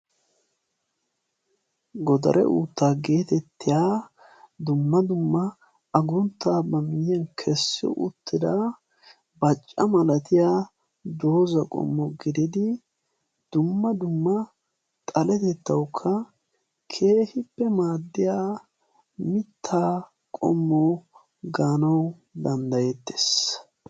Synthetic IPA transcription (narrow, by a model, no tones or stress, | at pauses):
ɡɔd̪ɐ̰ɾɛ̰ʔṵːt̪ːaːɡe̞ːt̪ɛt̪ːɪjaː | d̪ʊmːɐd̪ʊmːɐ | ɐɡʊnt̪ːaːbɐmɪjjɐnkʰɛsːɪ̰ʔʊ̰t̪ʰːɪd̪aː | bɐt͡ʃʼːɐmɐlɐt̪ɪjaː | d̪o̞ːzɐkʼɔ̰mːɔɡɪd̪ɪd̪ɪ | d̪̥ʊmːɐd̪ʊmːɐ | t̪ʼɐlɛt̪ɛt̪ːɐwkʰːɐ | kʰe̞ːhɪpːɛmaːd̪ːɪjaː | mɪt̪ʰːaː | kʼɔ̰mːɔ | ɡaːnɐw | d̪ɐnd̪ɐjɛt̪ːe̥s